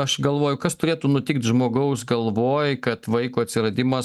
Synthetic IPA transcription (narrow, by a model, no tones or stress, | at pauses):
ɐʃɡɐlˠʋoːjʊkɐst̪ʊɾʲeːt̪uːnʊt̪ʲɪkt̪ʒmoːɡɐʊsɡɐlˠʋoːjkɐt̪ʋɐɪkuːɐt̪ʲsʲɪɾɐd̪ʲɪmɐ